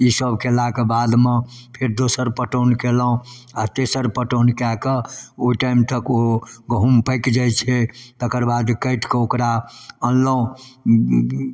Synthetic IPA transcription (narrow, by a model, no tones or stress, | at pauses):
isəbʱkelakebad̪mepʰeɾd̪osəɾpəʈonkeləũ | at̪esəɾpəʈonkakəoiʈaimt̪ʰəkoɡɦumpəjkd͡ʒajt͡ʃʰɛt̪əkəɾbad̪kəɪʈkeokɾaənləũ